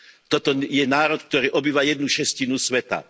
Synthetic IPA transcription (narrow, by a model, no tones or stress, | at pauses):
t̪ɔt̪ɔjɛnaːɾɔt̪k̚t̪ɔɾiːʔɔbiːʋajɛd̪̚nuʃɛscinusʋɛt̪a̰